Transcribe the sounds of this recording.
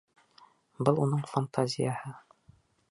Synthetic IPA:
bɤlˠunɤɴfant̪ʰazʲɪ̰jahɤ

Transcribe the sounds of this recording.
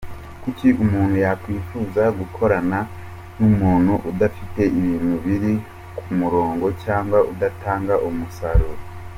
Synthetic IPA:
kuciʔumuːnhujakwiːfuːzaɡukʰo̞ɾana | numuːn̥huʔudafite̞ʔiβiːn̥huβiɾi | kʰumuɾo̞ːŋɡo̞caːŋɡwaʔudataːŋɡaʔumusaɾuɾ

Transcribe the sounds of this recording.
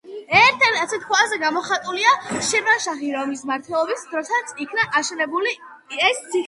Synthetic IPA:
ɛɾt̪ʰɛt̪ʰat̪sʰit̪̚kʰazɛɡamɔχat̪ʼuliaʃɛmaʃaχiɾɔmismaɾt̪ʰwɛlˠɔbisd̪ɾɔsat̪sʰikʰnaʔaʃɛnɛbuli | ɛssʰi

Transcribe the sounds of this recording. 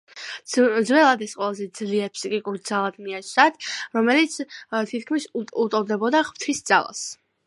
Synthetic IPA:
zwɛlˠad̪ɛsqʼwɛlˠazɛd̪zliɛɾpʰsikʼikʼuɾd̪zalˠad̪miat͡ʃ̪ʰat̪ʰɾɔmɛlit̪sʰt̪ʰit̪̚ʰkʰmisut̪ʼɔd̪ɛbɔd̪aʁpt̪ʰisd̪z̥a̰lˠa̰s

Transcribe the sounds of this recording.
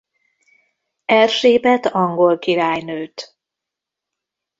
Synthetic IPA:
ɛlʃeːbɛt̪ɒŋɡo̞lkiɾaːjnøːt̪

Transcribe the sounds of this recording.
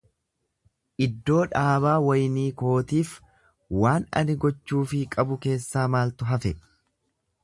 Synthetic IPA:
ʔɪd̪ːo̞ːᶑaːβaːwɐjniːko̞ːt̪iːf | waːnɐ̰nɪɡɔt͡ʃːuːfɪkʼɐbʊke̞ːsːaːmaːlt̪ʊɦɐfɛ

